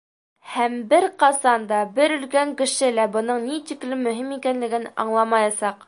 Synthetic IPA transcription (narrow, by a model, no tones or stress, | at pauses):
hæmbɘɾqɑsɑnd̪ɑbɘɾɵ̆lkæŋkɘ̆ʃɘlæbɤ̆nɤɴnit̪iklɘmːɵ̆ɦimikænlɘ̆ɡɘnɑ̰ɴlˠɑmɑjɑsɑq